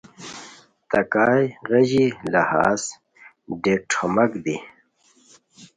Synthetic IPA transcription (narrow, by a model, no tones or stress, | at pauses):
t̪ɐkaːjɣɐʑilɐha̰ːs | ɖeʈʰomɐkd̪i